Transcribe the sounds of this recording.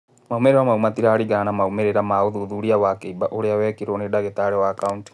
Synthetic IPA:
maumeɾewamaumatiɾaːɾiɣanamaumeɾeɾamaoðuðuɾiawakeibaʔoɾeawɛkiɾɔnedaɣetaɾɛwaːkaunti̥

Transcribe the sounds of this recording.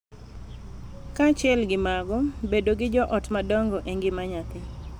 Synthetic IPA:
kat͡ʃɪɛlɡɪmaɡɔbedoɡɪd͡ʒɔʔɔtmadɔŋɡɔʔeŋɡɪmaɲat̪ɪ

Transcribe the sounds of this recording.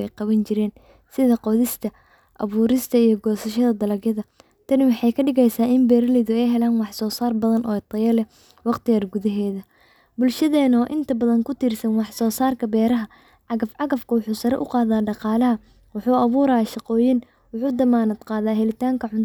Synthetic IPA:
ɛ̰jqɑβɐnt͡ʃɪɾɛːn | sɪðɐqɔðɪst̪ʰɐ | ʔɐ̰βuːɾɪst̪ʰɐijɞɡɔːsɐʃɐðɐd̪ɐlɐɡjɐðɐ | t̪ʰɐnɪnwɑħɑjkʰɐɖɪɣɛjsaːɪmbɛːɾɐlɛðʊɛjɦɛlaːnwɑħsɔːsaːrbɐðɐnʔɔːt̪ʰɐjɐlɛ | wɑqt̪ʰɪjaːrɡʊðɐɦɛːðɐ | bʊlʃɐðɛːnɔːʔɪnt̪ʰɐbɐðɐŋkʰʊt̪iːrsɐnwɑħsɔːsaːrkʰɐbɛːɾɐɦɐ | ʕɑɣɐfʕɑɣɐfkʰʊwʊħuːsɐɾɛ̰ʔʊqɑːðaːɖɑqɑːlɐɦɐ | wʊħuːɐβuːɾaʃɑqɔːjɪn | wʊħuːd̪ɐmaːnɐd̪qɑːðaːɦɛlɪt̪ʰaːŋkʰɐʕʊn

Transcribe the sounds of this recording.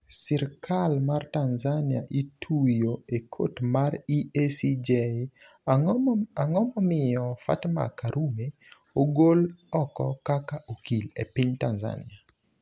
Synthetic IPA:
sirkʰalmartanzania̰ʔitʰujoekʰo̰tmariesid͡ʒe | aŋɔmɔmɪɔfa̰tma̰kaɾume | oɡolɔkɔ̰kakaʔokilepiɲtanza̰nḭa

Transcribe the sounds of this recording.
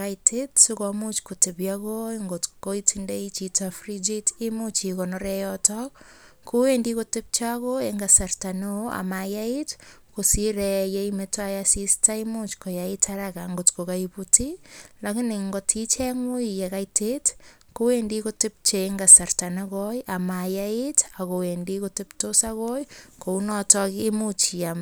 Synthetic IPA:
kajtʰetsukomut͡ʃkotepjakoŋɡotkoitʰindeit͡ʃitafrid͡ʒitimut͡ʃikɔnɔɾɛjɔtɔk | kowendikotɪp̚t͡ʃakoeŋɡasartanea̰majait | kosiɾɛjeimetajasistaimut͡ʃkojaitʰaɾakaŋɡotkokaiputilakɪnɪŋɡotʰit͡ʃɛŋwuijekajtet | kowendikotɪp̚t͡ʃeŋɡasartanekɔjamajaitakowendikotɪptosakojkounɔtɔkimut͡ʃiam

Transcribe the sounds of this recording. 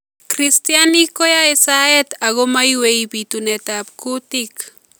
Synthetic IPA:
kɾɪst̪janikojaesaet̪aɣomajwejbit̪ʊnet̪aːpkʊt̪ɪk

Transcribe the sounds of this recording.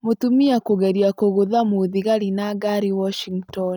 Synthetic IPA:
motumiakoɣɛɾiakoɣoðamoðiɣaɾinaɡaɾiwɔʃiŋɡtɔn

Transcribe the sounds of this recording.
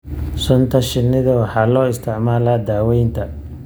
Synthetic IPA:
sɔnt̪ʰɐʃɪnːɪðɐwɑħɑːlɔːɪst̪ʰɪʕmaːlaːd̪aːwɛjnt̪ʰɐ

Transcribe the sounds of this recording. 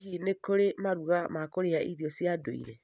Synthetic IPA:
inekoɾemaɾuɣamakoɾeaʔiðiɔsjadoḭɾɛ

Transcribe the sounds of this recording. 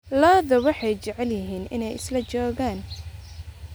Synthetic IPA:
laːðɐwɑħɑjt͡ʃɛʕɛljɪɦiːnɪ̰nɛjɪ̰slɐt͡ʃɔːɣaːn

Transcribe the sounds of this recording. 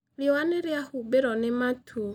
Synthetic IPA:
ljɔwaneɾjahubeɾɔnematʰu

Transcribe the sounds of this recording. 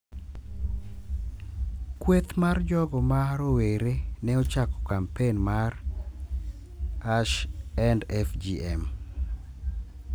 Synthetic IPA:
kwet̪mard͡ʒɔɡɔmaɾoweɾenɛot͡ʃakɔ̥kampenmar | aʃɛndɛfd͡ʒiɛm

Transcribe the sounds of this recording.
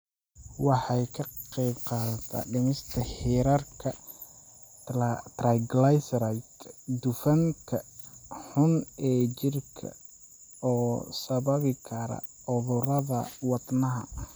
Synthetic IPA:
wɑħɑjkʰɐqɛjbqɑːðɐt̪ʰa̰ɖɪnɪst̪ʰɐhiːɾɐrkʰɐ | t̪rajɡlajsɾajkd̪ʊfɐŋkʰɐ | ħʊnɛːt͡ʃɪrkʰɐ̰ | ɔːsɐβɐβɪkʰɐɾɐ̰ | ʊðʊɾɐðɐwɑd̪nɐɦɐ̰

